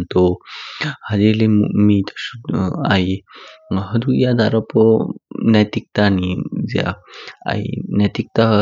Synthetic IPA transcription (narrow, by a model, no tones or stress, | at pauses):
nt̪ɔ | hadelemṵmit̪ʰḁsuaj | ɦəd̪ujad̪aɾapɔnajt̪ik̚t̪anizɛa̰a̰jnat̪ik̚t̪aɦ